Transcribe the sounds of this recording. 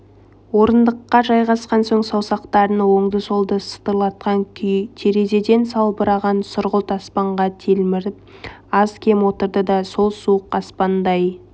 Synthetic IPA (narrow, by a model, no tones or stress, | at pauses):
wo̞ɾənd̪əqːɑʒɑjʁɑsqɑnsoɴsɑwsɑqt̪ɑɾənwo̞ɴd̪əso̞lˠd̪əsə̥t̪əɾlˠɑt̪̚qɑŋt̪ʰe̞ɾe̞ze̞d̪e̞nsɑlˠbəɾɑʁɑnsʊɾʁəlˠt̪ʰɑspɑɴʁɑt̪ʰelɪɾ | ɑzkʲʰe̞mwo̞t̪əɾd̪əd̪ɑso̞lˠsuəqɑspɑnd̪ɑj